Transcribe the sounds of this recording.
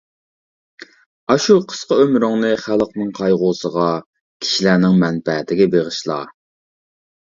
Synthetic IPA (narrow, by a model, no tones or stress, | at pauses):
ɑʃuqʰə̥sqɑømɾʊŋnɨχælˠqnɨŋqʰɑjʁʊːsəʁɑ | kʲʰi̥ʃilænɪŋmɛnpɛt̪ʰɪɡʲɛbeʁəʃlˠɑ̰